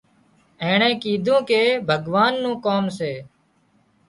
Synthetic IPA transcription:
ẽːɳẽːkiːd̪ʱũːkeːbʱəɠʋaːnːũːkoːmseː

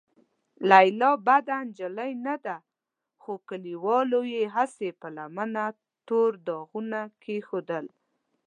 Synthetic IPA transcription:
lajlɑbad̪and͡ʒələjnad̪a | xokəliwɑlojeɦasepəlamana | t̪oɾd̪ɑɣunakʰexod̪əl

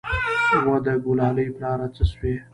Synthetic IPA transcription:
wad̪əɡulɑləjplɑɾat͡səswe

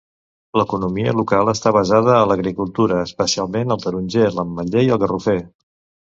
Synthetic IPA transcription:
ləkunumiə̰lukalˠəst̪aβəzað̞əːləɣɾikulˠt̪uɾəːspəsialˠmenəlˠt̪əɾunʲʒeləmːəʎejəlˠɣərufe

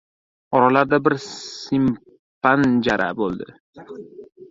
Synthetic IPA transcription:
ɒɾalaɾd̪abɪɾsim | pand͡ʒaɾa̰bolˠd̪ɪ̰

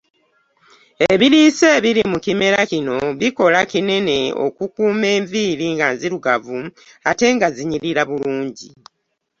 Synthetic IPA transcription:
eβiɾiːse̞ːβiɾimukime̞ɾacino̞βiko̞lacine̞ne̞o̞̰kukuːme̞ːɱviːɾiŋɡanziɾuɡavu | ate̞ŋɡaziɲiɾiɾaβuluːɲɟi

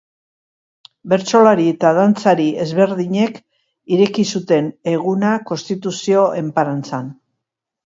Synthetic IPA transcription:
be̞ɾt͡so̞laɾiet̪aðant͡saɾie̞zβe̞ɾðiɲe̞k | iɾe̞kisut̪e̞ne̞ɣ̞unako̞st̪it̪usio̞ʔe̞mpaɾant͡san

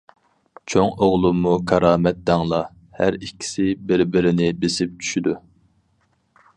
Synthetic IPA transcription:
t͡ʃʰoŋoʁlˠumːukʰɑɾɑːmɛt̪̚d̪ɑŋlˠɑ | hæɾikʲʰːi̥sɪbɪɾbɪɾɪnɪbesɪp̚t͡ʃʰy̥ʃyd̪u

